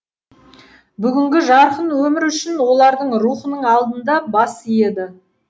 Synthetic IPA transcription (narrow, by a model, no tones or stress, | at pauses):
bʏɡʲɪŋɡʲɪʒɑɾqənwɵmɪɾʏʃɪnwo̞lˠɑɾd̪əɴruχənəɴɑlˠd̪ənd̪ɑbɑsije̞d̪ɪ